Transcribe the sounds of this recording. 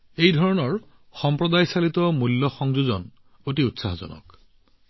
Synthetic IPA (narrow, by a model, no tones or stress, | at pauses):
ejdʱɔɹɔnɔɹ | xɔmpɹɔdajsalitɔmulːɔxɔŋzuzɔn | otiutsa̰ɦzɔ̰nɔ̰k